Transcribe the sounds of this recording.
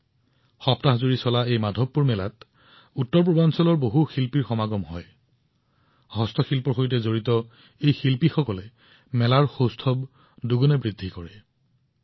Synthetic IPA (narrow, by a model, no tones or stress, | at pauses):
xɔptaɦzuɹisɔlaejmadʱɔpːuɹmɛlat | utːɔɹp̬ɹobʱansɔlɔɹboɦuxilpiɹxɔmaɡɔmɦɔ̰j | hɔstʰɔxilpɔxojt̬ɛzoɹitɔ | ejxilpixɔkɔlɛ | mɛlaɹxostʰɔb | duɡɔnɛbɹidʱːikɔɹɛ